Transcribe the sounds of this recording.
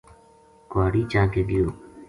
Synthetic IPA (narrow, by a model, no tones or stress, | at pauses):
kwaːɽiːt͡ʃãːkeːd̪ɪjoː